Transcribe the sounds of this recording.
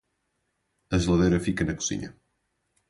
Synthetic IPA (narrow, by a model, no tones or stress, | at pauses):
ɐslaðeɾɐfikenɐko̥sḭɲɐ̰